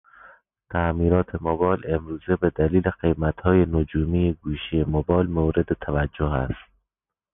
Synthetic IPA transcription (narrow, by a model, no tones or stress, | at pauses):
t̪ʰæmiːɾɒːt̪ʰemobɒːlemɾuːzebed̪æliːleɢe̞jmæt̪hɒːjenod͡ʒuːmijeɡuːʃijemobɒːlmoːɾed̪et̪ʰævæd͡ʒːoɦæ̰st̪̚